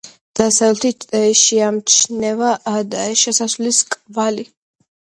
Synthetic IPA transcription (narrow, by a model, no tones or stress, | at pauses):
d̪̥asavɛlt̪ʰit͡ʃt̪ʼɛʃiamt͡ʃʰnɛvaʔːd̪aɛʃɛsasvliskʼvali